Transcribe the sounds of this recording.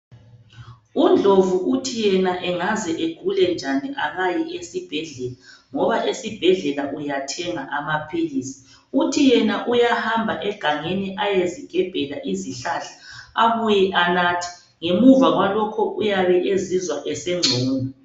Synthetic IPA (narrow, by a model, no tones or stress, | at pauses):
und͡ɮʱovuʔutʰijɛnaʔɛŋazɛʔeɡ̥ʱulɛnd͡ʒʱaniʔaɣajiesib̥ʱɛɮɛlaŋɔβaʔesib̥ʱɛɮɛlaʔujatʰɛŋaʔamapʰiliːsi̥ | utʰijɛnaʔujahambʱaʔɛɡ̥ʱaŋeniʔajeziɡ̥ʱɛb̥ʱɛlaʔiziɬaɬḁaβujɛʔanatʰi̥ | ŋemuvaɣwalɔkʰɔʔujaβɛʔezizwaʔɛsɛŋ͡ǀʱoːnɔ